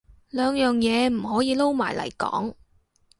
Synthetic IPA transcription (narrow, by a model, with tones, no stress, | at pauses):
lœː˨˧ŋjœː˨ŋjɛː˨˧m̩˨˩ɦɔː˨˥jiː˧lo˥wmaː˨˩jlɐ̰˨˩jkɔ̰ː˨˥ŋ